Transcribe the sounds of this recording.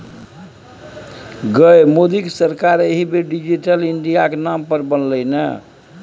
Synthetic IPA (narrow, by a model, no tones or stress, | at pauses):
ɡəemod̪iksəɾkaɾeɦibeɖid͡ʒiʈəliɳɖijakenampəɾbənləjnə̰